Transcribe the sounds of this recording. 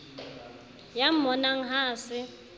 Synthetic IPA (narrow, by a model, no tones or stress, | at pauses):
jam̩mɔnaŋ̩ɦaːsɪ